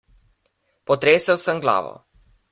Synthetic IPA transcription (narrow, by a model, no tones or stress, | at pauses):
pɔt̪ɾeːsəwsəmɡla̰ːʋɔ̰